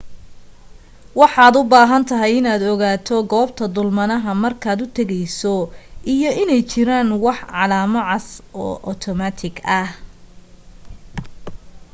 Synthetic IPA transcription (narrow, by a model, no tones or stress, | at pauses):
wɑħɑːd̪ʊbaːɦɐnt̪ʰɐɦɛjɪnaːd̪ɔɣaːt̪ʰɔɡɔːb̚t̪ʰɐd̪ʊlmɐnɐɦɐmɐrkʰaːd̪ʊt̪ʰɐɣɛjsɔʔijɔɪnɛjt͡ʃɪɾaːnwɑħʕɑlaːmɐʕɑsɔːʔɔt̪ʰɔmat̪ʰɪɡɐh